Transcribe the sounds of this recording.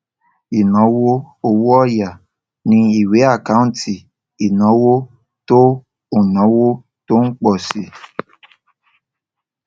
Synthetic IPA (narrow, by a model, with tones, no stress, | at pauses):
i˨nɔ̃˨˦wo˦ | o˧wo˦ɔ˦ja˨ | nĩ˧i˨we˨˦a˦˨ka˦ũ˦˨˦ti˨ | i˨nɔ̃˨˦wo˦ | to˦ | o˦˨nɔ̃˨˦wo˦ | to˦ŋ̩˦k͡pɔ˦˨si˨